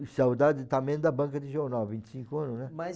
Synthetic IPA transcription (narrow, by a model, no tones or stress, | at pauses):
sawd̪ad͡ʒ̪ɪt̪ɐ̃mẽj̃d̪ɐbɐ̃kɐd̪ɪʒoɾnawvĩnt͡ʃ̪ɪ̥sĩŋkʊɐ̃nʊnɛmɐ